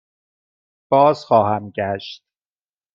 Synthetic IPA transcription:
b̥ɒːzxɒːhæmɟæʃt̪̚

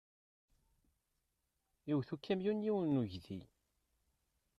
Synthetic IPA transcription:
juwθukːæmjunjiwənːuʝðḭ

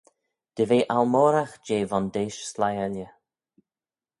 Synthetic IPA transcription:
d̪̥əveːʔalmoːɾaxd͡ʒeːvɔnd̪eːʃslajalʲjə

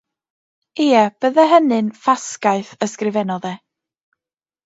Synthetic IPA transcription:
eːɛb̥əðəɦənɨnfaskaɨθəskrɪvɛnɔðɛ

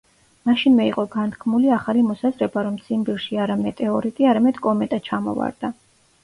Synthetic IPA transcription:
maʃinmɛiqʼɔɡant̪ʰkʰmuliaχalimɔsazɾɛbaɾɔmt̪sʰimbiɾʃiaɾamɛt̪ʼɛɔɾit̪ʼiaɾamɛd̪̥kʼɔmɛt̪ʼat͡ʃʰamɔ̰va̰ɾd̪̥a

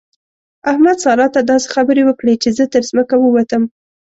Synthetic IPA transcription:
ahmad̪sɑlɑt̪ad̪ɑse̥xabəɾewəkɽet͡ʃezət̪əɾzməkawəwat̪əm

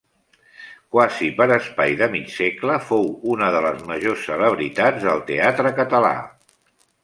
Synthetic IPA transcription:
kwazipəɾəspajðəmisekləfowunəðələzməʒosːələβ̞ɾit̪ad͡zðəlˠt̪eat̪ɾəkət̪əla̰

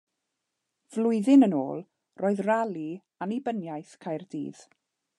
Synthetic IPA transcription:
v̥lʊɨðɪnəno̰ːlˠ | rʔoːɨðralˠi | anibənjajθkʰajrdḭːð̥

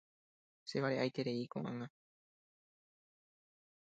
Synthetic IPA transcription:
se̞βaɾeʔajt̪e̞ɾe̞ikõʔã̰ŋã

